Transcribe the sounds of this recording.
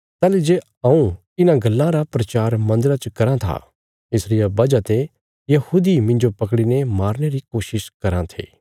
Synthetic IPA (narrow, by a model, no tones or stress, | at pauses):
t̪ɛːled͡ʒe | ãũ | ɪnãɡɐlːãɾapɾɐt͡ʃaːɾmɐ̃nd̪əɾat͡ʃkɐɾãt̪ʰa̰ | ɪsɾɪjabɐd͡ʒat̪e | jɐhuːd̪imɪ̃ɲd͡ʒopɐkɽinemaːɾñeɾikoːʃɪʃkɐɾãt̪ʰḛː